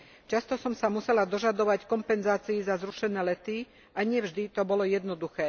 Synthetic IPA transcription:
t͡ʃast̪ɔsɔmsamusɛlad̪ɔʒad̪ɔʋackɔmpɛnzaːt͡siizazɾuʃɛnɛːlɛt̪i | ʔaɲɪɛvʒd̪it̪ɔbɔlɔjɛd̪nɔd̪uxɛː

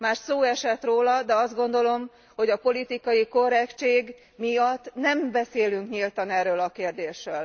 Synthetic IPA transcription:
maːʃsoːɛʃɛt̪roːlɒd̪ɛɒzd̪ɡo̞nd̪o̞lo̞m | ho̞ɟɒpo̞lit̪ikɒjiko̞rɛkt͡ʃeːɡ | mijɒt̪ːnɛmbɛseːlyŋkɲilt̪ɒnɛrːøːlɒkeːrd̪eːʃrøːl

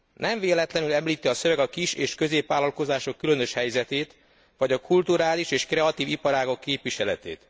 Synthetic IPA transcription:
nɛɱveːlɛt̪lɛnylɛmliːt̪iɒsø̞vɛɡɒkiʃeːʃkø̞zeːpʋaːlːɒlko̞zaːʃo̞kːylønø̞ʃhɛjzɛt̪eːt̪ | ʋɒɟɒkʰult̪uɾaːliʃeːʃkrɛɒt̪iːvipɒɾaːɡo̞kːeːpʋiʃɛlɛt̪ḛːt̪

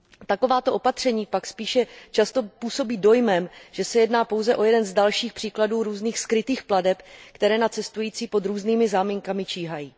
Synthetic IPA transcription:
t̪ako̞vaːt̪o̞ʔo̞pat̪r̝̥ɛɲiːpakspiːʃɛt͡ʃast̪o̞puːso̞biːdo̞jmɛmʒ̥ɛsɛjɛdnaːpowzɛʔo̞jɛdɛnzdalʃiːxpr̥iːkladuːɾuːzniːxskɾɪt̪iːxpladɛpkt̪ɛɾɛːnat͡sɛst̪ujiːt͡siːpo̞d̪ɾuːzniːmɪzaːmiŋkamɪt͡ʃiːɦajiː

